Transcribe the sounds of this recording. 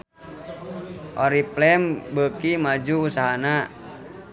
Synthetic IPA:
ʔɔɾiplɛmbəkimad͡ʒuːsaɦana

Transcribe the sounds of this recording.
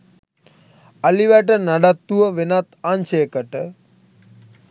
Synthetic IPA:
aliʋæʈənaɖat̪ːuʋəʋenat̪anʃeːkəʈə

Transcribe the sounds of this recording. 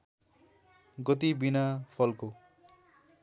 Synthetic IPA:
ɡʌt̪ibinapʰʌlko

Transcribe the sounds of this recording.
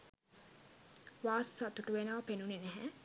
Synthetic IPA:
ʋaːssat̪uʈuʋenəʋɐpenunenæɦæ

